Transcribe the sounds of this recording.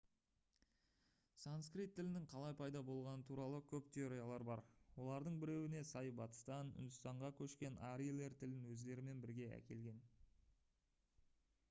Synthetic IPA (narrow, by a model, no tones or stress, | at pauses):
sanskrijt̪ʰːɪlɪnɪŋqʰɑlˠɑjpʰɑjd̪ɑbo̞lˠʁɑnət̪ʰuɾɑlˠəkʲʰɵpt̪ʰe̞oɾijalˠɑɾbɑɾwo̞lˠɑɾd̪əɴbɪɾe̞wɪne̞sɑjbɑt̪ə̥st̪ɑnʏ̰nd̪ʏst̪ɑɴʁɑkʲʰɵʃkʲe̞naɾile̞ɾt̪ʰɪlɪnwɵzd̪e̞ɾɪme̞nbɪɾɡʲe̞æ̰kʲe̞lɡʲe̞n